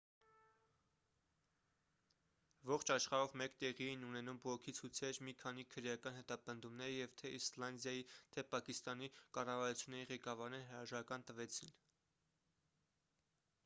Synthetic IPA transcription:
vɔχt͡ʃʰɑʃχɑɾɔvmɛkt̪ɛʁiɛjinunɛnumbɔʁɔkʰit͡sʰut͡sʰɛɾmikʰɑn̪ikʰəɾjɑkɑnhɛt̪ɑpənd̪umnɛɾəjɛvt̪ʰɛislɑnd̪jɑjit̪ʰɛpɑkist̪ɑnikɑrɑvɑɾut͡sʰjunːɛɾiʁɛkɑvɑɾnɛɾɦəɾɑʒɑɾɑkɑnt̪əvɛt͡sʰin

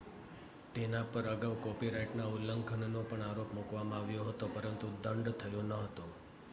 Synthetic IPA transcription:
t̪enapəɾəɡaʋkɔpiɾaiʈnaulːəŋkʰənnopəɳaɾopmukʋamãaʋjoɦət̪opəɾənt̪ud̪əɳɖt̪ʰəjonəɦət̪o

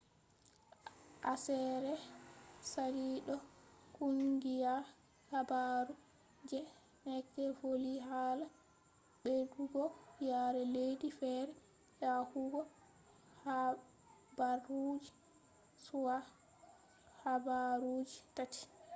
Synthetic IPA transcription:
ʔasɛɾɛ | saliɗɔkuŋɡija | habaɾu | d͡ʒɛ | nɛkːɛfoliɦaːla | bɛduɡɔjaːɾɛlejdifɛɾɛ | jahuɡɔ | ha | barud͡ʒi | suwa | habaɾud͡ʒitati̥

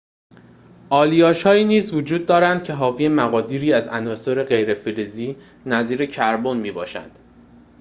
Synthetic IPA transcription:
ʔɒːlijɒːʃhɒːiːniːzvod͡ʒuːd̪̚ːɒːɾænd̪̥̚cʰe̞ɦɒːviemæɣɒːd̪iːɾiːæzænɒːsoɾe̞ɢe̞jɾefiɾiziː | næziːɾe̞cʰæɾbonmiːbɒːʃæ̰nd̪̥

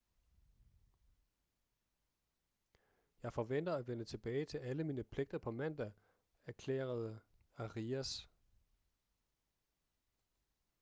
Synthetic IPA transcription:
jɑ̈ɪfɒʋen̰d̥ɐæʋenət͡sʰe̝b̥ɛːɪt͡sʰe̝læləmiːnəpʰle̝ɡ̥̚d̥ɐpʰɒ̽mæn̰d̥æ | æɐkʰlḛːɐð̞ˠæʁiæs

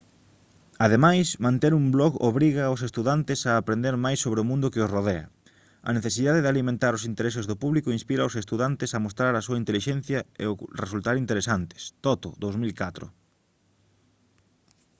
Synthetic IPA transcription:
aðemajsmãnt̪eɾumblɔɣo̰βɾiɣaʊs̬est̪uðant̪ɪsaːpɾẽnd̪eɾmajsːoβɾɪomũnd̪ʊkɪosroð̞eɐ̰ | ɐ̰neθesiðaðeðɪalimẽnt̪aɾʊsint̪eɾesɪzðʊpuβlikʊinspiɾaosest̪uðant̪ɪsɐmost̪ɾaɾɐsuɐint̪eliʃẽn̟θjɐḛʊresult̪aɾint̪eɾesant̪ɪ̥st̪ɔt̪o̰ðowzmilkat̪ɾʊ̰

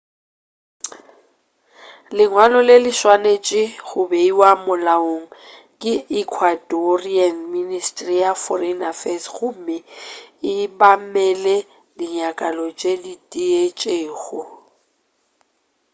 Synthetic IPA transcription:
lɪŋwalɔlɪlɪʃwanet͡ʃʼɪɣʊbeiwamʊlaoŋ̩ | kʼɪikʰwadɔrianministʼrijafɔrɛnafɛsɣʊmɪɪbamɛlɛ | dɪɲakʼalɔt͡ʃʼeditʼiet͡ʃʼeːɣʊ

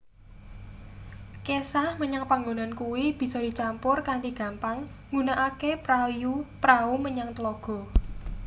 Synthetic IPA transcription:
kesahməɲaŋpaŋɡonankuwib̥i̤sɔd̥i̤t͡ʃampʊrkant̪iɡ̥a̤mpaŋ | ŋunaʔakepɾajupɾauməɲaŋt̪əlɔɡ̥ɔ̤

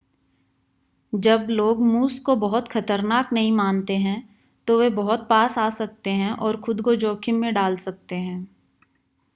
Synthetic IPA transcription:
d͡ʒɐbloːɡmuːskobɐɦʊt̪xʰɐt̪əɾnaːknɐɦĩmaːnt̪eɦɛ̃ | t̪oʋebɐɦʊt̪̚paːsaːsɐk̚t̪eɦɛ̃ʔɔːɾxʊd̪kod͡ʒɔːkʰɪmmẽɖaːlsɐk̚t̪eɦɛ̃ː

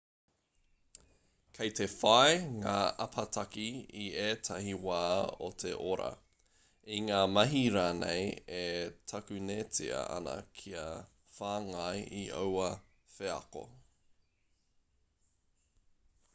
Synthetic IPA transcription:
kʰejtʰefɐeŋaːʔɐpʰɐtʰɐkiieːtʰɐhiwaːotʰeʔoɾɐ̰ | iŋaːmɐɦiɾaːnḛjetʰɐkʉneːt͡sḭɐ̰ɐ̰nɐ̰kʰiɐ | faːŋajio̰wɐ | feɐ̰ko̰

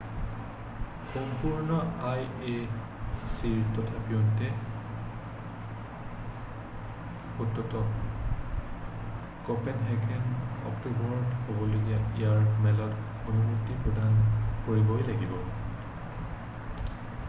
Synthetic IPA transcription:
xɔmpuɹnɔaj | e | siɹtɔtʰabiɔntɛ | xutːɔtɔ | kɔpɛnɦɛɡɛnɔ̰ktubɔɹɔthobɔloɡiaijaɹmɛlɔt | onumutːipɹɔdʱankoɹibɔjlaɡibɔ

